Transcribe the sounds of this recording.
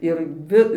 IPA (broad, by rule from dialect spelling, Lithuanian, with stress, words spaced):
ɪr ˈʋʲɪ